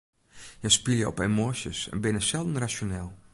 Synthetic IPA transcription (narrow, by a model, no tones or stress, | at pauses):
jəspiljəɔ̰pemosjə̰sɛ̰nbɪnəsɛlˠdn̩rasjonɛlˠ